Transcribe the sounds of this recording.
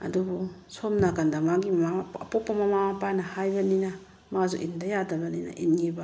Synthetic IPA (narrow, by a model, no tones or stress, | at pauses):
ɐ̰dubusomnakandamaɡimmaɐpɔpːɐmamamapanɐhajbɐnina | mazṵʔindajadɐbɐnina̰ʔinŋiba